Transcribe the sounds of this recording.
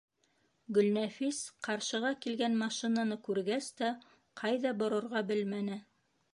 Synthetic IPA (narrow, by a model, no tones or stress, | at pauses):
ɡɵ̆lnæfisqɑɾʃɤ̆ʁɑkilɡænmɑʃinanɤkʉɾɡæst̪æ | qʰɑjðɑbŏɾŏɾʁɑbɘlmænɘ